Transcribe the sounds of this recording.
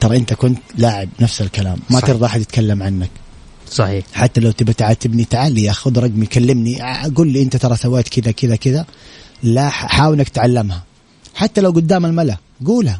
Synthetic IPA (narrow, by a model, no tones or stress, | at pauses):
t̪ɑɾˤɑʔɪnt̪akʊnt̪laːʕɪbnafsalkala̰ːmːat̪ɪɾd̪ˤɑʔaħad̪ɪt̪kʰalːamʕanːak | sˤɑħiːħat̪ːalawt̪ɪbat̪ʕaːt̪ɪbnit̪aʕaːliʔaxʊðɾˤɑɡmijkalːɪmniɡuːlːiʔɪnt̪at̪ɑɾˤɑsawːeːt̪kɪd̪akɪðakɪðalaħaːwɪlnakt̪ʕalːɪmha | ħat̪ːalawɡʊd̪ːaːmalmala | ɡuːlha